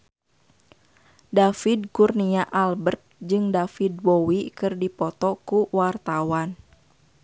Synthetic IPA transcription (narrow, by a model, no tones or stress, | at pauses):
dafidkurniaʔalbərt̪̚d͡ʒɨŋdafid̚bowikɨrdipɔt̪ɔkuwart̪awan